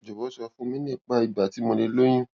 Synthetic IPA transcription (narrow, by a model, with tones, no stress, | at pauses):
d͡ʒo˨wɔ˨˦sɔ˧˦fũ˦mĩ˦nɛ̃˦˨k͡pa˦i˨ba˨ti˨˦mɔ̃˧le˧lo˦j̃ĩ˦